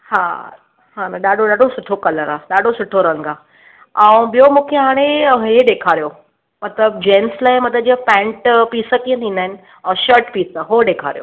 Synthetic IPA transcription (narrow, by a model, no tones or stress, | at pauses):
haː | ɦaːnaɗaːɖʱoɗaːɖʱosʊʈʰokɐləɾaːɗaːɖʱosʊʈʰoɾɐ̃ŋɡaː | ãũɓijomũːkʰeɦaːɽ̃eɦeɗeːkʰaːɾijo | mɐt̪ləbd͡ʑẽːnslaːɪmɐt̪əd͡ʑiə̃pɛ̃ːɳʈpiːsək̪ijə̃nt̪ʰiːn̆d̪aːɦɪnɪ̆ | ɛ̃ʃəɾʈpiːsəɦoɗeːkʰa̰ːɾijo̰